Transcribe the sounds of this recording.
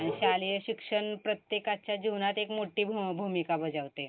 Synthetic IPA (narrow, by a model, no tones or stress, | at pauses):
aɽ̃iɕaljɕikʂəɳpɾət̪jekat͡ɕjad͡ʑunat̪ekmoʈiːbʱbʱumikabəd͡zəʋt̪e